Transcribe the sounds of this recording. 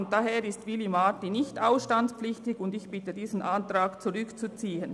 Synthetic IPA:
ntd̥aɦeːɾɪstvilimaːtinɪçtaʊsʃtant͡spflɪçtɪkʊndɪçb̥ɪtədiːzn̩ʔantrʁaːkt͡suʁʏkt͡sut͡siːən

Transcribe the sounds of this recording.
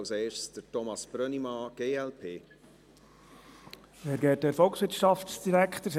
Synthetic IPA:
wseːsd̥əɾtɔmɑsb̥ɾœnimɑɡ̥eːɛlpʰeː | ɛɾɡɛːt̚dɛɾfɔlksʋɪɾtʃɑftsd̥iɾækχtəs

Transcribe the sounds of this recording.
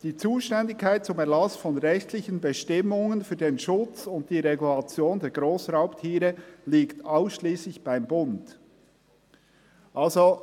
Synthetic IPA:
d̥iːt͡suːʃtɛndɪkʰːaɪt̚t͡sʊmɛɐʁlɑsfɔnʁɛçtlɪçənbəʃtɪmʊŋənfyːɐdenʃʊt͡sʊnt̚d̥iːɾeɡulɑt͡sjoːndeːɐɡʁoːsʁaʊptʰiːɾəliːktaʊsʃliːslɪçb̥aɪmbʊnd | ʔalzo

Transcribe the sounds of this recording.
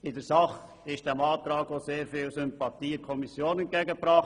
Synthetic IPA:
ɪdəɾsɑχ | ɪʃd̥ɛmɑːt̪ɾɑːɡ̥oseːɾfɪːlsʏmpɑt̪iːəkʰɔmisjoːnɛnt̚ɡ̥ɛɡəpɾɑχ

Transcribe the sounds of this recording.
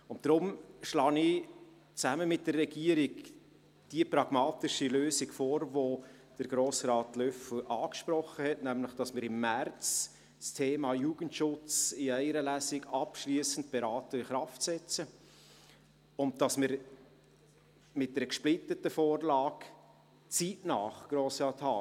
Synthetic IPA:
ʊntdɾʊmʃlɑːni | t͡sæməmɪt̚d̥ərːɛɡiəɾiɡ | d̥iəpɾɑɡ̥mɑːtɪʃiløːsiɡfoːɾvo | d̥əɾɡ̥ɾoːsrɑːtlœfl̩ʔɑːkʃpɾɔχːəhɛtnæmlɪχd̥ɑsmɪːɾɪmːært͡s | stʰeːmɑːjuːɡ̥ən̩tʃʊt͡sɪæɪɾəlæsɪɡɑpʃliəsən̩t̚b̥ɛɾɑːtəɪχɾɑftsɛt͡sə | ʊnt̚d̥ɑsmɪɾ | mɪt̚dɛɾəkʃplɪtətəfoːrlɑːk | t͡sitnɑːχɡ̥ɾoːsrɑːthɑː

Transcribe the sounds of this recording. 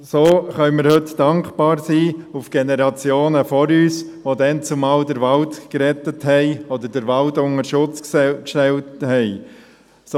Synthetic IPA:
soːχœʏmɪɾhɵtd̥ɑŋkb̥ɑːɾsiːufɡ̥enɛɾɑt͡sjoːnəfɔɾyːsʋod̪ɛnt͡sumɑːldəɾʋɑltkɾɛt̪əthɛɪɔd̪əɾd̥əɾʋɑltʊŋəʃʊt͡skkʃtɛlthɛɪ | s

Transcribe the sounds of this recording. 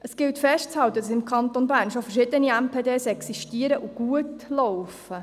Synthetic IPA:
ʔəsɡ̥ɪltfɛʃtt͡shɑlt̪ədɑsɪmkʰɑnt̪onbæːɾnʃofəɾʃɪd̥̪əniæmpʰeːdeːsɛksiʃtiəɾəʔuɡ̥uətlɔwfə

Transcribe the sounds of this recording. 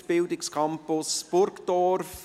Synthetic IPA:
b̥ɪldɪkskʰɑmpʊsb̥ʊɾkd̥ɔrf

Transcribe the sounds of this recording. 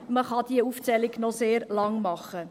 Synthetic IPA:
məχɑd̥̪iəuft͡sɛlɪɡnɔseːɾlɑŋmɑχːə

